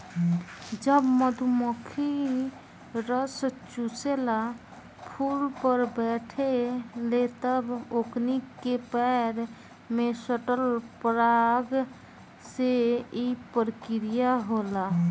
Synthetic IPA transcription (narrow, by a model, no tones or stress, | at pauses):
d͡ʒəbməd̪ʱumokʰi | ɾəst͡ʃusela | pʰulpəɾbɛʈʰelet̪əboknikːepɛɾ | mesəʈəlpɾaɡ | seipəɾkɪɾijaɦola